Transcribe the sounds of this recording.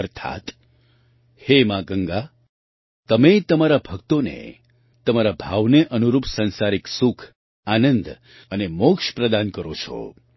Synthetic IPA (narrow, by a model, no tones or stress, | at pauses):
əɾt̪ʰa̰t̪ | hemãɡəŋɡa | t̪əmet̪əmaɾabʱəkt̪onḛ | t̪əmaɾabʱaʋneʔənuɾupsə̃nsaɾiksukʰ | anənd̪ | ənemokʃpɾəd̪ankəɾot͡ʃʰo̰